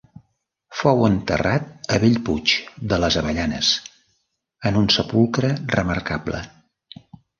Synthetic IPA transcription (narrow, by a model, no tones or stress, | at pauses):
fɔwənt̪ə̰rat̪̚əβeʎput͡ʃd̪ələzəβəʎanə̰s | ənunsəpulˠkɾərəmə̰ɾkablə̰